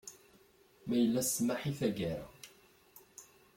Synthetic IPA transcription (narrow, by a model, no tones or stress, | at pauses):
mæjəlːæsːmaħiθæɡæɾæ̰